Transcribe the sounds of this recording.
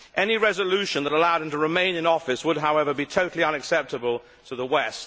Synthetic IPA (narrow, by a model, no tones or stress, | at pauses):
ʔɛniɹɛzəlʉʃɨ̃nðəɾəlaʊɾɨ̃mtəɹɨmẽɪ̃nɪ̃ŋɔfɨswəd̚ɦaʊɛvə˞bitʰoʊɾˡl̩ˠiʌ̃nɨksɛp̚tɨbəlˠ | tʰəðəwɛst